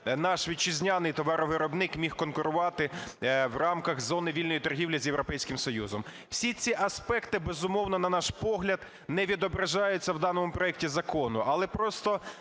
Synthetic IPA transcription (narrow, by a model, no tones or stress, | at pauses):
nɑʃʋʲid̪̚t͡ʃɪzʲnʲanɪjt̪ɔʋɑɾɔʋɪɾɔbnɪkmʲixkɔnkʊɾʊʋɑt̪ɪwrɑmkɐɣzɔnɪʋʲilʲnɔjit̪ɔrɦʲiwlʲizʲjewɾɔpɛjsʲkɪmsɔjuzɔm | wsʲit͡sʲiʔɐspɛkt̪ɪbezʊmɔwnɔnɐnɑʃpɔɦlʲɐd̪ | nɛʋʲid̪ɔbɾɐʒɑjʊt͡sʲːɐwd̪ɑnɔmʊpɾɔɛk̚tʲizɐkɔnʊʔɐlˠɛpɾɔst̪ɔ